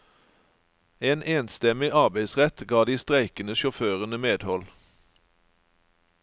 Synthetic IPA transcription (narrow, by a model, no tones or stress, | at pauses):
eːnʔeːnst̪ɛmɪʔɑʁbæɪsʁɛt̪ɡɑːd̪iːst̪ʁæɪkənəʃʊføːʁənəmeːd̪hɔl